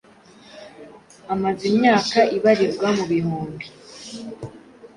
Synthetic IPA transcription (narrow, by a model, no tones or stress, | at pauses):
amazimɲaːkaʔiβaɾiɾɡwamuβihuːmbi